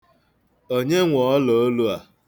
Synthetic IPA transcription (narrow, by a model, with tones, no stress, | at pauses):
o˦ɲe˦ŋʷɔ˨ɔ˦lo˨o˦lu˦a˨